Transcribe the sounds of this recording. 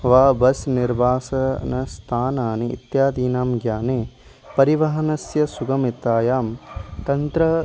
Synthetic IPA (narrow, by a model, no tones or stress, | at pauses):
ʋaːbɐsniɾʋaːsɐnɐst̪ʰaːnaːniḭt̪jaːd̪iːnaːmɡjaːneː | pɐɾiʋɐɦɐnɐsjɐsuɡɐmit̪ːaːjaːmt̪ɐnt̪ɾɐ